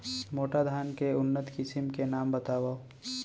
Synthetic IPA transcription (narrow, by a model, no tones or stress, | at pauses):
moːʈad̪ʱaːnkeʊnːət̪kɪsɪmkenaːmbɐt̪aːʋaː